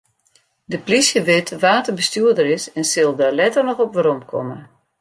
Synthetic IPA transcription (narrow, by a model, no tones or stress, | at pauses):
dəplisjəʋɪtʋaːtəbəstyədəɾɪsɛnsɪlˠdalɛtərnɔxɔpʋəɾɔmkʰɔ̰mə